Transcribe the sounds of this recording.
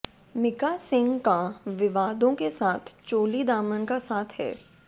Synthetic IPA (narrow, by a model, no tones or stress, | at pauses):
mɪkasɪ̃ŋɡkaʋɪʋaːd̪õkesaːt̪ʰt͡ʃoːlid̪aːmənkasaːt̪ʰɦɛ̰ː